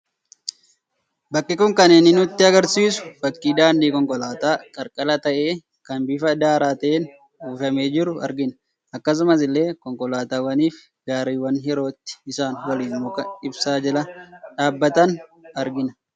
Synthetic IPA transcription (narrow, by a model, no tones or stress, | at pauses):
bɐkʼːɪkʊŋkɐnɛnɪnʊt̪ːɪɐɡɐɾsiːsʊ̥bɐkʼːiːd̪aːndiːkɔŋkʼɔlaːt̪aːkʼɐɾkʼɐlɐt̪ɐʔeː | kɐnbɪfɐd̪aːɾaːt̪ɐʔeːn | uːfɐme̞ːd͡ʒɪɾʊɐ̰ɾɡɪnɐ̥ | ɐkːɐs̬ʊmɐs̬ɪlːe̞ːkɔŋkʼɔlaːt̪aːwɐniːf | ɡaːɾiːwɐnɦɪɾo̞ːt̪ːɪ̥ɪsaːnwɐliːnmʊkɐɪbsaːd͡ʒɛlɐᶑaːbːɐt̪ɐnɐɾɡɪnɐ̥